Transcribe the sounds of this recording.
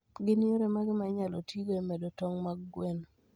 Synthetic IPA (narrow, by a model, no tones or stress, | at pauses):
ɡɪnioɾemaɡɪmaɲalotiɡoemɛdotɔŋmaɡɡwen